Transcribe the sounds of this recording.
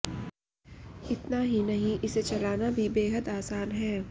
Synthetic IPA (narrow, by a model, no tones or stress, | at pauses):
kɪt̪naɦinɐɦĩʔɪset͡ʃɐlaːnabʱibeːɦəd̪aːsaːnɦɛː